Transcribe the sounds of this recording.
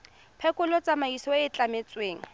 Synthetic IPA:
pʰɛkʼʊlɔt͡sʼamaisɔwaɪt͡ɬʼamet͡sweːŋ̩

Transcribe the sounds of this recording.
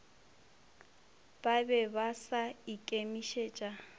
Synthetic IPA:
b̥abɛbasaikʼemiʃet͡ʃʼa

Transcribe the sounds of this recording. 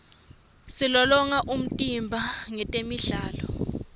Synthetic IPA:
silɔlɔŋaʔum̩tʼimbʱaŋɛtʼemiɮaːlɔ

